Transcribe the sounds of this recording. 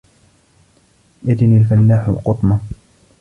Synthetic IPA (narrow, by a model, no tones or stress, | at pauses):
ʔɪd̪ɪnilfalːaːħʊ̰qʊt̪ˤmɑ